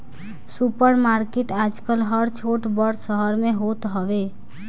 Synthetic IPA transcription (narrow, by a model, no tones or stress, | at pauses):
supəɾmaɾkeʈad͡ʒkəlɦəɾt͡ʃʰoʈbəɽsəɦəɾmeɦot̪ɦɔʋe